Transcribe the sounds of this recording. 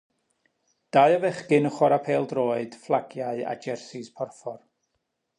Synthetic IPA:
d̥aɨəvɛχɡɪnəχwɔɾapʰeːlˠdroːɨd̥flˠaɡjaɨa̰d͡ʒɛrsispʰɔrfɔr

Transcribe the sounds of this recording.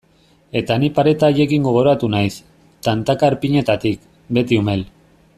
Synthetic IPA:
e̞t̪anipaɾe̞t̪aːje̞kiŋɡo̞ɣ̞o̞ɾat̪unajs | t̪ant̪akaɾpiɲe̞t̪at̪ik | be̞t̪iume̞l

